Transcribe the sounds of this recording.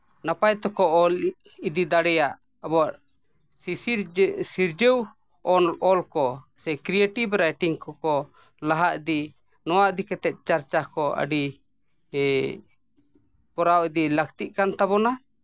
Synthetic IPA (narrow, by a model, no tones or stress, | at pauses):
napajt̪ɔkɔɔl | id̪id̪aɽɛjaʔ | abɔɾʔ | siɾd͡ʒəw | ɔɔlkɔ | sɛkɾieʈibɾajʈiŋkɔkɔ | laɦaʔd̪i | nɔwaʔd̪ikɛt̪ɛt̪̚t͡ʃaɾt͡ʃakɔə̰ɖi | pɔɾawid̪iləkt̪iʔ̚kant̪abɔna